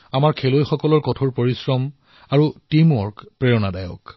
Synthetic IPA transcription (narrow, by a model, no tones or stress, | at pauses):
amaɹkʰelojxɔkɔlɔɹkɔtʰɔɹpoɹisɹɔm | aɹutimɔɹkpɹejɔnadajɔ̰k